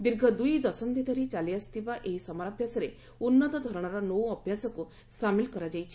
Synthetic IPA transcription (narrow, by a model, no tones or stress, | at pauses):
d̪iɾɡʱɔd̪ujd̪ɔsɔmd̪it̪əɾit͡ɕaliəst̪iʋaʔeɦisɔmaɾabʱjasəɾe | unːət̪ɔd̪ʱɔɾɳ̃aɾanɔwɔbʱjasɔku | samilkɔɾad͡ʑajt͡ɕʰi